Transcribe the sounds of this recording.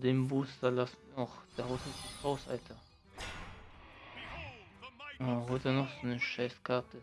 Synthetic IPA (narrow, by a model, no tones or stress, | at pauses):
deːmbuːstalasniɔχd̥eːɐhaʊsatəshaʊsa̰ltʰɐ | əːɦɔʏtənɔχz̥oːnəʃaɪskʰaɐtʰə